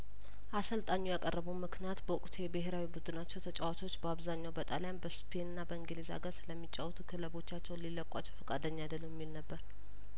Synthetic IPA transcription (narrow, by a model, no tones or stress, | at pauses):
ʔasəlt̪ʼaɲːujakʼərːəβəwmɨknijat̪bəʊkʼt̪ʰujɛbəɦeɾawibɨd̪ɨnat͡ʃːɛwt̪ʰət͡ʃʼawat̪ʰo̞t͡ʃːbəaβzaɲːawbət̪ʼaljanbəspʰe̞nɨnːabəɨŋɡeleza̰ɡəɾsɨləmːit͡ʃʼːawt̪ʰukʰɨləβo̞t͡ʃːat͡ʃːɛwnlilːəkʼːat͡ʃːɛwfəkʼad̪əɲːjad̪əlːujɛmːilnəbːəɾ